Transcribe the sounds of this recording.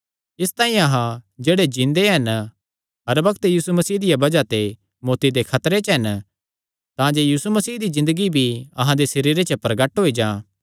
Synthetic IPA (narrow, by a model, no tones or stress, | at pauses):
ɪst̪ãːĩɐɦãd͡ʒeːɽed͡ʒĩnd̪eɦɐn | ɐɾbɐkt̪jiːsumɐsiːd̪ɪjabɐd͡ʒat̪e | moːt̪id̪ekʰɐt̪ɾet͡ʃɦɐn | t̪ãd͡ʒejiːsumɐsiːɦd̪izɪ̃nd̪əɡibʱiɐ̰ɦãd̪esɐɾiːɾet͡ʃəpɾɐɡəʈɦoːid͡ʒãː